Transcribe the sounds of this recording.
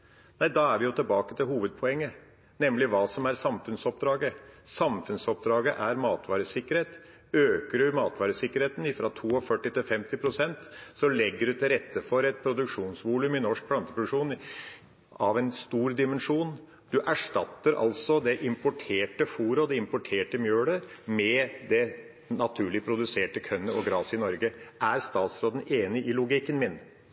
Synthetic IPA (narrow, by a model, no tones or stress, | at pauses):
næɪd̪ɑːæɾʋɪjʊt̪ɪlbɑːkə̥t̪ʰɪlɦuːʋəd̪̚pʰɔɛŋːə | nɛmlɪʋɑːsɔmæɾsɑmfʉnsɔp̚d̪ɾɑːɡəsɑmfʉnsɔp̚d̪ɾɑːɡəʔæɾmɑːt̪ʋɑːɾəsɪkːəɾheːt̪ | øːkəɖʉmɑːt̪ʋɑːɾəsɪkːəɾheːt̪n̩ɪfɾɑt̪ʰuːɔfœʈːɪt̪ɪlfɛmt̪ɪpʰɾʊsɛnt̪sɔlɛɡːəɖʉt̪ʰɪlɾɛt̪ːəfɔɾɛt̪pʰɾʊd̪ʉkʂuːnsʋuːlʉmɪnɔʂk̚pʰlɑnt̪əpɾʊd̪ʉkʂuːn | ɑʋɛnst̪uːɾd̪ɪmɛnʂuːn | d̪̥ʉʔæʂʈɑt̪ːəɾʔɑ̰lsɔd̪ɛʔɪmpʊʈʰeːʈəfuːɾəɔd̪ɛɪmpʊʈʰeːʈəmjøːɽəmɛd̪ɛ | nɑt̪ʰʉːɭɪpʰɾʊd̪ʉseːʈəkʰœnːəɔɡɾɑːsɪnɔɾɡəʔæɾst̪ɑːt̪sɾoːd̪n̩eːnɪʔɪlʊɡɪkːənmɪn